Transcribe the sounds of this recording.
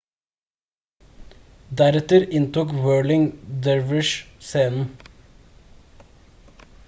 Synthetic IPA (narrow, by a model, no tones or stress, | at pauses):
d̪æɾɛt̪əɾɪnt̪uːkwøːɭɪŋd̪ɛɹʋɪʃseːnn̩